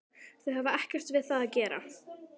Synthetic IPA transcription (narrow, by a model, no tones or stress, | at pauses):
θœɦavaɛhcɛr̥t̪vɪðθaðacɛːɾa̰